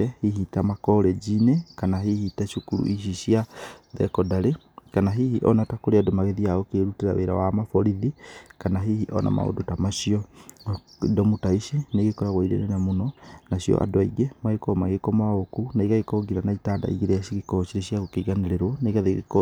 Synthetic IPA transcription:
ɛhiɦitamakɔɾɛd͡ʒinekanaɦihitaʃukuɾṵʔiʃ̬iɕiaðɛ̰kɔdaɾe | kanaɦihiʔɔ̰natakoɾeadomaɣeðiaɣɔkeɾuteɾa̰weɾa̰wamafɔɾiðikanaɦihiʔɔ̰na̰ma̰o̰dotamaʃiɔ̰ | dɔmutaiʃineɣekɔɾaɣwaiɾḛɾenamonɔnaɕjɔ̰ʔa̰doaiɣemaɣekɔmaɣekɔmokunaiɣaɣekɔɡiɾanaitada̰iɣeɾejaɕiɣekɔt͡ʃiɾeɕiaɣokeɣaneɾeɾwɔneɣaðeɣḛk

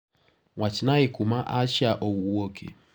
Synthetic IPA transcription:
ŋat͡ʃinaekumaʔat͡ʃaʔowuwokʰḛ

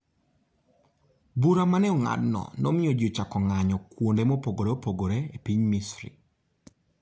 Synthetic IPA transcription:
buɾamanɛɔŋa̰dnɔ̰nɔmɪjɔd͡ʒot͡ʃakɔŋaɲɔkwondemopoɡoɾeopoɡoɾeepiɲmisɾḭ

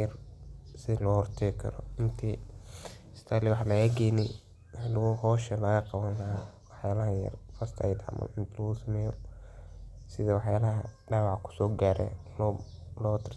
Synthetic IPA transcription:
ɐrsɪlɔːhɔrt̪ʰɛkʰɐ̰ɾɔ̰ɪnt̪ʰɛ̥ | st̪ʰaːlɪwɑħlɐɐɡɛjnɛ | wlɦɔːʃɐlɐɣɐqɑβɐnɐwɑħjaːlɐɦɐjɐ̰rfɐst̪ʰɐ̰jd̪ɐ̰mɐ̰ɪnt̪ʰlɔɣʊsɐmɛːjɔ | sɪðɐwɑħjaːlɐɦɐɖaːwɑʕkʰʊ̥sɔːɡaːɾɛ̰l | lɔːt̪ʰɪ̥r

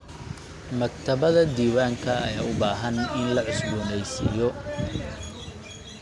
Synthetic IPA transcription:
mɐk̚t̪ʰɐβɐðɐd̪iːwaːŋkʰɐɐjaːʊbaːɦɐnɪnlɐʕʊsbʊnɛjsɪ̰jɔ

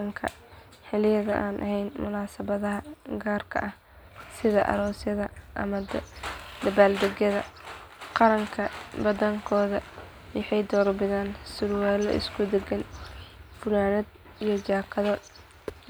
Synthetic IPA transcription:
ɐŋkʰɐ̰ | ħɪlɪjɐðɐʔaːnʔɐ̰ɦɛjnmʊlaːsɐβɐðɐɦɐɡaːrkʰɐ̰ʔɐh | sɪðɐʔɐ̰ɾɔːsjɐðɐʔɐmɐ | d̪ɐbaːld̪ɛɣjɐðɐqɑɾɐŋkʰɐbɐðɐŋkʰɔːðɐ | wɪħɑjd̪ɔːrbɪðaːnsʊɾwaːlɔ̰ʔɪ̰skʰʊd̪ɛɡɐn | fʊlaːnɐd̪ | ijɞt͡ʃaːkʰɐðɐ

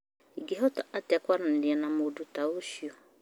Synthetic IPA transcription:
iɡiɦɔtɔatɛkʷaɾan̩dɪɛnãmodutawoʃiɔ

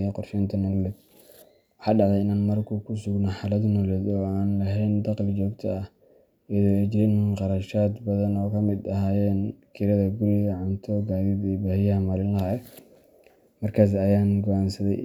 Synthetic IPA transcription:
jɛqɔrʃɛːnt̪ʰɐnɔlɛd̪ | wɑħɑːɖɑʕd̪ɛjɪnaːnmɐrkʰʊkʰʊsʊɡnɐħɑlɐd̪nɔlɛd̪ɔːaːnlɐɦɛjnd̪ɑqlt͡ʃɔːɡt̪ʰɐɐh | ɐðɔɛt͡ʃɪɾɪnqɑɾɐʃaːd̪bɐðɐnɔːkʰɐmɪd̪ɐɦaːjɛːnkʰɪɾɐðɐɡʊɾɪɣɐʕʊnt̪ʰɔɡaːðiːd̪ɛbaːhɪjɐɦɐmɐlɪllɐɦɛ | mɐrkʰaːs̬ɐjaːnɡɔʔaːnsɐðɛj

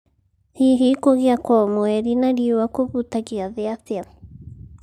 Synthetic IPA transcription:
hiɦikoɣjakwɔɔmwɛɾinaɾiowakoβutaɣiaðeaθja

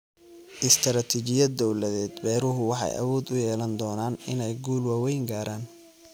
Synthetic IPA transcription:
ʔɪst̪ʰɾaːt̪ʰit͡ʃɪjɐd̪ɔwlɐðɛːd̪bɛːɾʊɦʊwɑħɑ̰jʔɐ̰wɔːd̪ʊjɛːlɐnd̪ɔːnaːnɪnɛjɡuːlwaːwɛjŋɡaːɾʔaːn

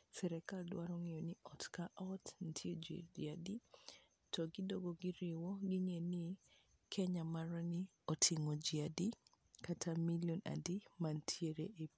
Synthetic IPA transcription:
sɛɾɛkaldwaɾɔŋijɔnɪɔtkaʔɔtn̩tʰjiod͡ʒḭdḭadi | tʰɔɡɪdoɡoɡɪɾɪwɔɡɪŋenɪ | kʰɛɲamaɾɔnɪ | ɔtʰɪŋɔd͡ʒiadi | katʰamiljɔna̰dimantʰjeɾeʔe

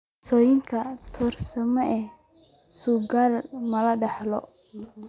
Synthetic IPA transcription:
sɔːjɪŋkʰɐt̪ʰɔːrsɐmɔʔɛ | suːɡaːlmɐlɐɖɑħlɔ̰

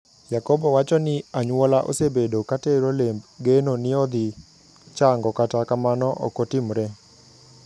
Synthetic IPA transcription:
jakɔbɔwat͡ʃɔnɪaɲwɔlaʔo̰sebedokateɾolembɡenonɪɔd̪ɪ | t͡ʃaŋɡɔkatakamanɔʔɔ̰kotɪmɾɛ

